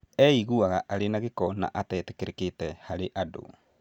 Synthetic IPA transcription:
ɛiɣuaɣaʔaɾenaɣekɔna̰ʔatɛːte̥keɾeketɛhaɾeʔado̰

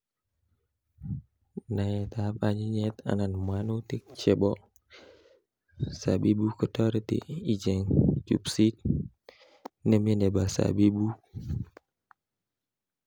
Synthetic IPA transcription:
najet̪aapaɲiɲɛt̪a̰nanmanut̪ik̚t͡ʃɛbɔ | sabibukət̪ɔɾet̪ḭid͡ʒɛŋt͡ʃṵpsit̪̚ | nəmenebasa̰bibu

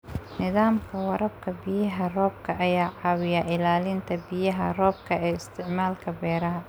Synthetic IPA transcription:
nɪðaːmkʰɐwɐɾʔɐb̚kʰɐbɪjɐɦɐrɔːb̚kʰɐʔɐjaːʕɑːwɪjɐʔɪlaːlɪnt̪ʰɐbɪjɐɦɐ̰rɔːb̚kʰɐɛːɪst̪ʰɪʕmaːlkʰɐbɛːɾɐɦɐ

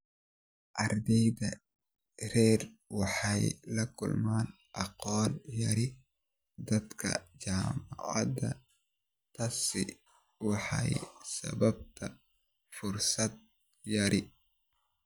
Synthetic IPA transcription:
ʔɐrd̪ɛjdɐ | rɛːrwɑħɑjlɐkʰʊlmaːn | ʔɑqɔːljɐɾɪ | d̪ɐd̪kʰɐ̰d͡ʒaːmaʕɑ̰d̪ɐ | t̪ʰɐsɪ̰ | wɑħɑ̰jsɐ̰bɐb̚t̪ʰɐ | fʊrsɐd̪̚ | jɐɾʔɪ

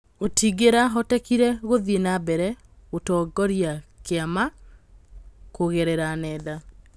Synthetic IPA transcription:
otiɡeɾaɦɔtɛkiɾɛɣoðienabɛɾɛ | otɔːɡɔɾijakeama | koɣɛɾɛɾanɛːða

